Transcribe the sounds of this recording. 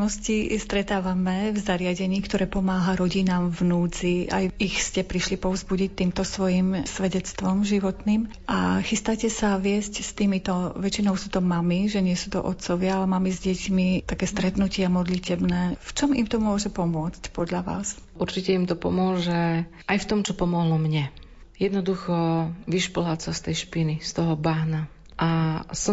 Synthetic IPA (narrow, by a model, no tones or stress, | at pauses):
nɔscist̪ɾɛt̪aːʋamɛvzaɾɪaɟɛɲiːkt̪ɔɾɛːpɔmaːɦaɾɔɟinaːmvnuːt͡sia̰jixscɛpɾiʃlipɔvzbuɟic̚t̪ːiːmt̪ɔsʋɔjimsʋɛɟɛt͡st̪ʋɔmʒiʋɔt̪niːm | ʔaxist̪acɛsaʋɪɛscst̪iːmit̪ɔʋɛt͡ʃinɔʊsuːt̪ɔmamiʒɛɲɪɛsuːt̪ɔ̰ʔɔt̪t͡sɔʋɪaalɛmamizɟɛcmit̪akɛːst̪ɾɛt̪nucɪamɔd̪licɛbnɛːft͡ʃɔmḭmt̪ɔmʊɔʒɛpɔmʊɔt͡scpɔd̪ʎaʋa̰ːsʔuɾt͡ʃicɛimt̪ɔpɔ̰mʊɔʒɛʔajft̪ɔmt͡ʃɔpɔmɔɦlɔmɲɛ | jɛd̪nɔd̪uxɔʋiʃplasast̪ɛjʃpinist̪ɔɦɔbaɦna | ʔasɔ